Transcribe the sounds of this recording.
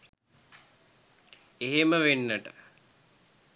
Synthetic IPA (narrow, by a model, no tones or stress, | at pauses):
eɦeməʋenːəʈə̥